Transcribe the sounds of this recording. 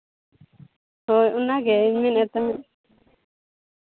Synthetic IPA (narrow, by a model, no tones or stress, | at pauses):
hojunaɡɛminɛt̪ã